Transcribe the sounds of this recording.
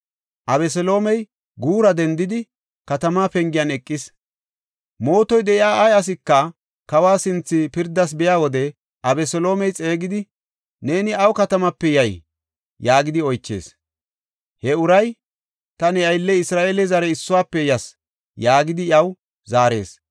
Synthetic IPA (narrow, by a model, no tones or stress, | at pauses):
ʔɐβɛs̬ɛlo̞ːmɛj | ɡuːɾɐd̪ɛnd̪ɪd̪ɪ | kɐt̪ɐmaːpɛŋɡɪjɐnɛkʼːɪs | mo̞ːt̪ɔjd̪ɛʔɪjaːʔɐjɐs̬ɪkːɐ | kɐwaːsɪnt͡sːɪpɪɾd̪ːɐs̬bɛjaːwɔd̪ɛ | ʔɐbɛsɛlo̞ːmɛjt͡sʼe̞ːɡɪd̪ɪ | ne̞ːnɪɐwkɐt̪ɐmɐpːɛjɐj | jaːɡɪd̪ɪɔjt͡ʃːḛːs | hɛʊɾɐj | t̪ɐnɪɐjlːɛɪsɾaːeːlɛzɐɾɛɪsːʊwaːpːɛjɐs | jaːɡɪd̪ɪjɐw | zaːɾe̞̰ːs